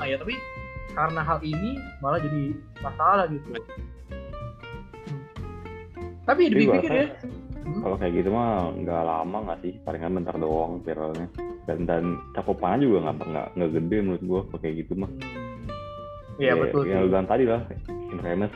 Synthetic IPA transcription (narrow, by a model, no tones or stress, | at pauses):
ajat̪apikaɾənaɦalinimalad͡ʒadi | masalahɡit̪u | t̪apidiiiɡuaiksaja | kalokajaɡit̪umaŋɡa̰la̰maŋaʔsɪhpalɪŋkanmənt̪ərdoaŋfiɾalɲadandant͡ʃakʊpanad͡ʒuɡaŋɡapəŋɡa̰ʔŋɡaɡədɛmuɾʊt̪̚ɡuakaokajaɡit̪umah | jabə̰t̪ʊljaŋləɡaŋt̪adilahɪnreməs